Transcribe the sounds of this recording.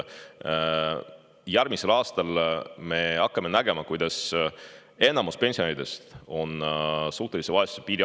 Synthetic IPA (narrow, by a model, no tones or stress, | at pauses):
jæɾmise̞lɑːst̪ɑlme̞ɑkːɑme̞næɡ̥e̞mɑkujd̪̥ɑs | e̞nːˑɑmuspe̞nsioeɾid̪̥e̞st̪o̞nsuːht̪e̞lise̞vɑesu̥sepiːɾi